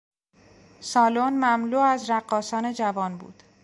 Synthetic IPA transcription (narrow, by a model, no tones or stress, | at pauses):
sɒːlonmæmluːæzɾæɢːɒːsɒːne̞d͡ʒævɒːnbṵːd̪̥